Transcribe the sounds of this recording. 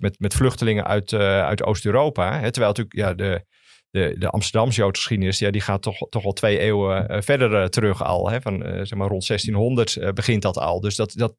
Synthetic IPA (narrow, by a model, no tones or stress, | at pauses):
mɛtmɛtflʏxtəlɪŋə̰nʔœ̰ɥtœ̰ɥtʰo̰ːstøːɾowpaɦɛtərʋɛjlˠtykjadə | dədə̰ʔɑ̰mstərdɑms̬jowtxə̥sχidənɪsjadixaːtɔxtɔxʋɛlˠtʰʋejeːwəfɛdərtərøxɔ̰lˠɦɛfɔnsɛxmaːrontsɛstinɦɔndərtbəɣɪnt̚dɔtʰɔ̰lˠdøsdɔtdɔt̚